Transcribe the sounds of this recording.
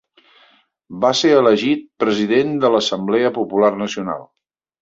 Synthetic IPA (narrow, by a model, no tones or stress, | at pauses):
baseɾələʒit̪̚pɾəziðend̪ələsəmblɛəpupularnəsiuna̰lˠ